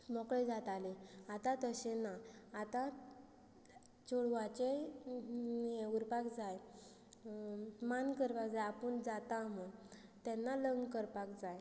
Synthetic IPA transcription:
mɔkɭed͡zat̪aleat̪ãt̪əɕenaːt̪a | t͡ɕoɭʋat͡ɕe | euɾpakd͡zaj | mankəɾpakd͡zajapəɳd͡zat̪amət̪ɛnːaləŋɡkəɾpakd͡zaj

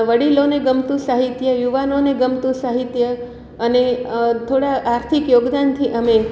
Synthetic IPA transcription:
ʋəɽiloneɡəmt̪ũsaɦit̪jəjuʋanoneɡəmt̪ũsaɦit̪jə | ənet̪ʰoɽaʔaɾt̪ʰikjoɡd̪ant̪ʰiʔəme

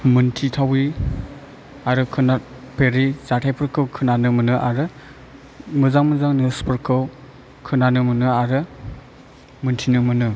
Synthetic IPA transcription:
mɯntʰitʰawi | aɾɯkʰɯna | pʰeɾizatʰajpʰɯɾkʰɯwkʰɯnanɯmɯnɯʔaɾɯ | mɯzaŋmɯzaŋnispʰɯɾkʰɯw | kʰɯnanɯmɯnɯaɾɯ | mɯntʰinɯmɯnɯ

